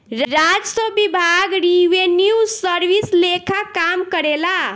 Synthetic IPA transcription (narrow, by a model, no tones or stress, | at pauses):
ɾɾad͡ʒsəbibʱaɡɾiʋenjusəɾʋislekʰakamkəɾela